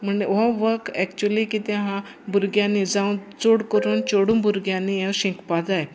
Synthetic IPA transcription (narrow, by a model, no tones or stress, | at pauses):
m̤əɳeʋɔ̃ʋəkɛkt͡ɕuəlikit̪ɛ̃ɦã | buɾɡjãnːid͡zãwt͡soɽkəɾuːnt͡ɕoɽũnbuɾɡjãnːijɛ̃wɕĩkpad͡zaj